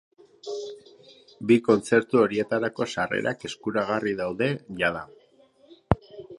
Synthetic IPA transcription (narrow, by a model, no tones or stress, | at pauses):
biko̞nt͡se̞ɾt̪uo̞ɾie̞t̪aɾako̞sare̞̰ɾake̞skuɾaɣariðawðe̞ʝaða